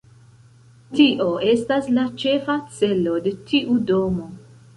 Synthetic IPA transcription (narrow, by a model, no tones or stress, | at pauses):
tiʔo̞e̞staslat͡ʃe̞fat͡se̞lo̞de̞tʰiʔudo̞mo̞